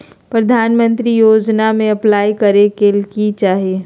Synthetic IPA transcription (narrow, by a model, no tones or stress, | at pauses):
pɾɐd̪ʱaːnmə̃nt̪ɾijoːd͡ʒnamẽɐplaːikəɾekelkit͡ʃaːɦieː